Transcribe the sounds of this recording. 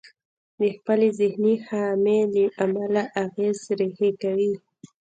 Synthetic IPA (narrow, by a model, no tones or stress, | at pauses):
d̪əxpəlezɪhnixɑmed̪əʔamalaʔaɣezɾehekawi